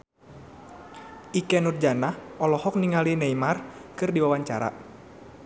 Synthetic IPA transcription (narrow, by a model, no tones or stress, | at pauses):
ʔikɛnurd͡ʒanahɔlɔhɔk̚niŋalineimarkɨrdiwawaɲt͡ʃaɾa̰